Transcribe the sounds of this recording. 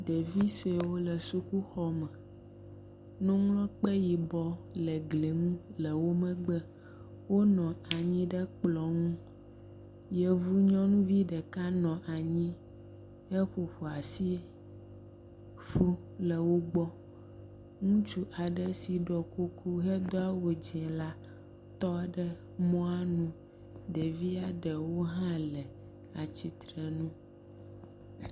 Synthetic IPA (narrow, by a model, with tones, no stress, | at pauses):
ɖɛ˨vi˦se˨wo˦lə˨su˦ku˦xɔ˦mɛ̃˨ | nũ˦ŋlɔ̃˦k͡pɛ˦ji˨bɔ˦lɛ˨ɡle˨ŋũ˦lə˨wo˦mɛ̃˦ɡ͡bɛ˦ | wo˦nɔ̃˨a˨ɲĩ˦ɖɛ˦k͡plɔ˨ŋũ˦ | jɛ˨vu˦ɲɔ̃˦nũ˦vi˦ɖɛ˨ka˦nɔ̃˨ʔa˨ɲĩ˦ | hɛ˦ɸo˨ɸo˨a˨si˦ | fu˦ | lɛ˨wo˦ɡ͡bɔ˦ | ŋũ˦t͡ʃu˦ʔa˨ɖɛ˦si˨ɖɔ˨ku˦kʰu˦ɦɛ˦d̪ɔ˦a˦wo˨d͡ʒɛ̃˨la˦ | t̪ɔ˦˨ɖɛ˦ | mɔ̃˦a˦nũ˦ | d̪ɛ˨vi˦a˨ɖɛ˨wo˦ɦã˦lɛ˨ | a˨t͡ɕi˨t̪ɾɛ˨nũ˦